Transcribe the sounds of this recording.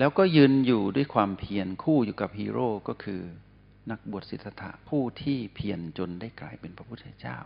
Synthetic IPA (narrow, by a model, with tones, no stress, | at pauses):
lɛː˦˥wkɔː˥˩jɯː˧njuː˨˩du˥˩əjkʰwaː˧mpʰi˧ənkʰuː˥˩juː˨˩ka˨˩p̚hiː˧ɾoː˥˩kɔː˥˩kʰɯː˧ | na˦˥k̚bu˨˩ət̪̚si˨˩t̪̚sa˧t̪ʰa̰˧˩pʰuː˥˩t̪ʰiː˥˩pʰi˧ənt͡ɕo˧ndaː˥˩jkla̰ː˧jpe˧npʰɾa˦˥pʰu˥t̪ʰːa˧t͡ɕa̰ː˥˩w